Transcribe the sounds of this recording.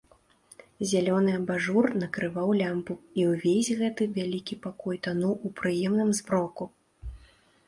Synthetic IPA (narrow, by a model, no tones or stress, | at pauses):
zʲalʲɔnɨɐbaʐurnɐkɾɨvawlʲampuiwvʲezʲɣɛt̪ɨvʲalʲikʲipakɔjt̪anuʔupɾɨjɛmnɨmzbɾɔku